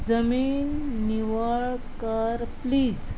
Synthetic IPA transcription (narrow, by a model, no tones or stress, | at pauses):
d͡zəmiːnːiʋaɭkaɾpliːd͡z